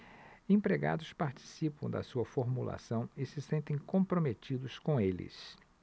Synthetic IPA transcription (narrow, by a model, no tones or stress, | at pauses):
ẽpɾeɡa̰d̪ʊspaɾt͡ʃi̥sipɐ̃w̃d̪ɐ̰suɐfoɾmula̰sɐ̃w̃ɪsɪsẽnt̪ẽj̃kõpɾomet͡ʃid̪ʊskõelɪ̰s